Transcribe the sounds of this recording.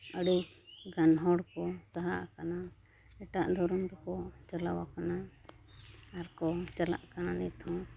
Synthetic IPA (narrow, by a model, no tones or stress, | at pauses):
əɽiɡanɦɔɽkɔsaɦaʔkana | ɛʈaʔd̪ʱɔɾɔnɾɔkɔt͡ʃalawakana | aɾkɔt͡ʃala̰ʔkananit̪ʰɔ̃